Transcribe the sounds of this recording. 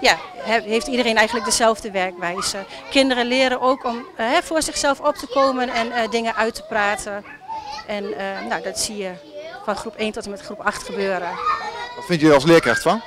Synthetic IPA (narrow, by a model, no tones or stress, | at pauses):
jaɦɛheːftidəreːnɛjɣən̩lək̚dəzɛlˠvdəʋɛrkʋɛjzə | kɪndərəlɪəɾənowkʰɔmɦɛfʊːrzɪxsɛlˠfɔp̚təkoːmənɛndɪŋəʔœɥtə̥praːtʰə | ʔɛnəːodɔtsijə | fɔnxrupʰeːntɔtəmɛtxrupaxtxəbøːɾəɔtfɪntjəɔlˠslɪəkraxtfɔn